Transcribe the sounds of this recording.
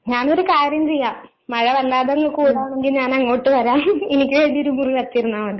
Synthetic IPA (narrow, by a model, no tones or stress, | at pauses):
ɲaːno̞ɾukaːɾjɐmt͡ɕe̞jːaːm | mɐɻɐʋɐlːaːðeŋːɐkuːɻaːɳeŋɡilɲaːnɐŋːo̞ːʈːɨʋɐɾaːmenikʲːɨʋe̞ːɳɖio̞ɾumuriʋɐt̪ːiɾunːaːʋɐnɖɨ